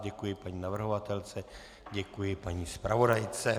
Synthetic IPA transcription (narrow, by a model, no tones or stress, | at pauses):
ɟɛkujɪpaɲiːnavr̩ɦovat̪ɛlt͡sɛ | ɟɛkujɪpaɲiːspɾavo̞dajt͡sɛ